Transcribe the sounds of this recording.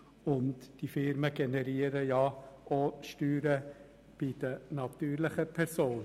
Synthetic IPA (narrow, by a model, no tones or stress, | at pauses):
ʊntd̥ifɪɾməɡ̥ɛnɛɾiːəɾəjɑoʃtyːɾə | b̥id̪̥ənɑt̪yːɾləχəpʰɛɾsoːn